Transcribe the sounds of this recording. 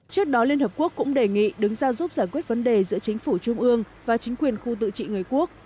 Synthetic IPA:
t͡ɕɨ˦˥ək̚ɗɔ˨˦li˧ənhəː˨˩p̚ku˦˥əkːʊ̰˧˥ŋ͡mɗe˨˩ŋḭ˧˨ɗɨ˨˦ŋzaː˧wzu˦˥p̚zaː˧˩jkwi˦˥ət̚və˨˦nɗe˨˩zɨ̰˧˥ət͡ɕï˨˦ŋ̟fu˧˩t͡ɕʊ˧ŋ͡mʔɨ˧əŋ | vaː˨˩t͡ɕï˨˦ŋ̟kwi˨˩ənxu˧t̪ɨ̰˧˨t͡ɕḭ˧˨ŋɨ˨˩əjku˦˥ək̚

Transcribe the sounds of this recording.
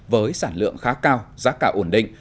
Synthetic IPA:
vəː˨˦jsaː˧˩nlɨ̰˧˨əŋxaː˨˦kaː˧wzaː˦˥kaː˧˩wʔo˧˩nɗḭ̈˧˨ŋ̟

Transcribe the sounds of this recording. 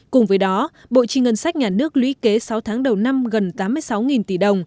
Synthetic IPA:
kʊ˨˩ŋ͡mvəː˨˦jɗɔ˨˦ | ɓo̰˧˨t͡ɕi˧˩ŋə˨˩nsa˦˥jk̟̚ɲaː˨˩nɨ˦˥ək̚lwḭ˧˥ke˨˦sa˨˦wt̪ʰaː˨˦ŋɗə˨˩wna˧mɣə˨˩nt̪aː˨˦mːɨ˧əjsa˨˦wŋi˨˩nt̪i˧˩ɗə˨˩wŋ͡m

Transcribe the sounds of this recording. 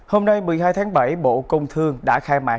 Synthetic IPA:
ho˧mna˧jmɨ˨˩əjɦaː˧jt̪ʰaː˨˦ŋɓa˧˩jɓo̰˧˨kə˧wŋ͡mt̪ʰɨ˧əŋɗa̰ː˧˥xaː˧jma̰ː˨˩

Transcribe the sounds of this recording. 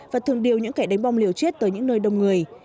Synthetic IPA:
vaː˨˩t̪ʰɨ˨˩əŋɗi˨˩əwɲɨ̰˧˥ŋka˨˧˩jɗa˨˦jŋ̟ɓa˧wŋ͡mli˨˩əwt͡ɕe˦˥t̚t̪əː˨˦jɲɨ̰˧˥ŋnəː˧jɗə˨˩wŋ͡mŋɨ˨˩əj

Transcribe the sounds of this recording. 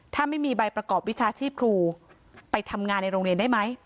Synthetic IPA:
t̪ʰaː˥˩ma˥˩jmiː˧ba˧jpɾa˧kɔː˨˩p̚wi˦˥t͡ɕʰaː˧t͡ɕʰiː˥˩p̚kʰɾuː˧ | pa˧jt̪ʰa˧mŋaː˧nːa˧jɾoː˧ŋɾi˧ənda˥˩jma˦˥j

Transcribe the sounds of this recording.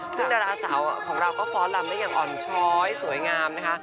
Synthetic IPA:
sɯ˥˩ŋdaː˧ɾaː˧saː˩˦wkʰɔː˩˦ŋɾa˧wkɔː˥˩fʰɔː˦˥la˧mdaː˥˩jaː˨˩ŋʔɔː˨˩nt͡ɕʰɔː˦˥jsu˨˩˦jŋaː˧mna˦˥kʰa˦˥ʔ

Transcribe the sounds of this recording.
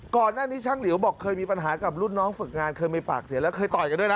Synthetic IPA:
kɔː˨˩nːaː˥˩niː˦˥t͡ɕʰaː˦˥ŋli˩˦wbɔː˨˩kʰːɤː˧jmiː˧pa˧nɦaː˩˦ka˨˩p̚lu˥˩nːɔː˦˥ŋfɯ˨˩k̚ŋaː˧nkʰɤː˧jma˧jpa̰ː˨˩k̚si˨˦lɛ˦˥wkʰɤː˧jt̪ɔː˨˩ka˧ndu˥˩jn˦˥

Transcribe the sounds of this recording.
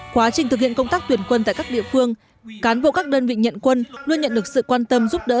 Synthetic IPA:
kwaː˨˦t͡ɕï˨˩ŋt̪ɨ˨˩hḭ˧˨ənkə˧wŋ͡mt̪aː˦˥k̚t̪wi˧˩ənkwə˧nt̪a̰ː˧˨jkaː˦˥k̚ɗḭ˧˨əfɨ˧əŋ | kaː˨˦nɓo̰˧˨kaː˦˥k̚ɗəː˧nvḭ˧˨ɲə̰˧˨nkwə˧nlu˧ənɲə˧˨nɗɨ˨˩ək̚sɨ̰˧˨kwaː˧nt̪ə˧mzu˦˥p̚ɗə̰ː˧˥

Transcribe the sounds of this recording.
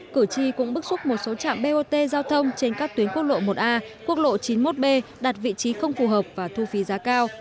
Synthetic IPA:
kɨ˧˩t͡ɕi˧kʊ̰˧˥ŋ͡mɓɨ˦˥k̚sʊ˦˥k͡p̚mo˨˩t̚so˨˦t͡ɕa̰ː˧˨mɓe˧ʔo˧t̪e˧zaː˧wt̪ʰə˧wŋ͡mt͡ɕe˧nkaː˦˥k̚t̪wi˨˦ənku˦˥ət̚lo̰˧˨mo˨˩t̚ʔaː˧ku˦˥ət̚lo̰˧˨t͡ɕi˨˦nmo˦˥t̚ɓe˧ɗaː˨˩t̚vḭ˧˨t͡ɕi˨˦xə˧wŋ͡mfu˨˩ɦəː˨˩p̚vaː˨˩t̪ʰu˧fi˨˦zaː˨˦kaː˧w

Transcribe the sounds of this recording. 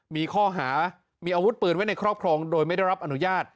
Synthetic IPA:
miː˧kʰɔː˥˩ɦaː˩˦ | miː˧ʔaː˧wu˦˥t̪̚pɯː˨˩nwa˦˥jna˧jkʰɾɔː˥˩p̚kʰɾɔː˧ŋdoː˧jma˥˩jda˥˩jɾa˦˥p̚ʔa˧nu˦˥jaː˥˩t̪̚

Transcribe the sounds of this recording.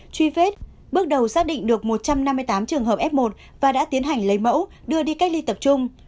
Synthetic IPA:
t͡ɕwi˧fe˦˥t̚ | ɓɨ˦˥ək̚ɗə˨˩wsaː˦˥k̚ɗḭ˧˨ŋ̟ɗɨ˨˩ək̚mo˨˩t̚t͡ɕa˧mna˧mːɨ˧əjt̪aː˨˦mt͡ɕɨ˨˩əŋɦəː˨˩pʔɛ˦˥p̚mo˨˩t̚ | vaː˨˩ɗa̰ː˧˥t̪i˨˦ənɦa˨˩jŋ̟lə˨˦jmə̰˧˥wɗɨ˧əɗi˧ka˦˥k̚li˧t̪ə˨˩p̚t͡ɕʊ˧ŋ͡m

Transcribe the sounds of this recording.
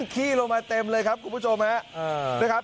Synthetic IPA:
ŋkʰiː˥˩lo˧ŋmaː˧t̪e˧mlɤː˧jkʰa˦˥p̚kʰu˧npʰu˥˩o˧mha˦˥ʔa˧˩du˥˩jkʰa˦˥p̚

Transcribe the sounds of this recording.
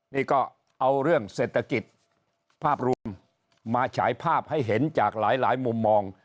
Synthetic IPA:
niː˥˩kɔː˥˩ | ʔa˧wɾɯ˥˩əŋseː˨˩t̪ʰːa˧ki˨˩t̪̚ | pʰaː˥˩p̚ɾu˧əmː | aː˧t͡ɕʰa̰ː˩˦jpʰaː˥˩p̚ha˥˩jɦe˩˦nt͡ɕaː˨˩k̚laː˩˦jlaː˩˦jmu˧mːɔː˧ŋ

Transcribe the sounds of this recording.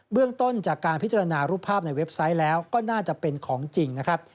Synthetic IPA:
bɯ˥˩əŋt̪o˥˩nt͡ɕaː˨˩kːaː˧npʰi˦˥t̚t͡ɕa˧ɾa˧naː˧ɾuː˥˩pʰaː˥˩p̚na˧jwe˦˥p̚sa˦˥jlɛː˦˥wkɔː˥˩naː˥˩t͡ɕa˨˩pe˧nkʰɔː˩˦ŋt͡ɕi˧ŋna˦˥kʰɾa˦˥p̚

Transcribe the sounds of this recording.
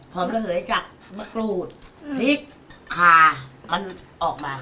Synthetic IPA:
pʰɔː˨˦mla˧lɯ˩˦jt͡ɕaː˨˩k̚ma˧kluː˨˩t̪̚li˦˩k̚ | kʰːaː˨˩ma˧nʔɔː˨˩k̚maː˧

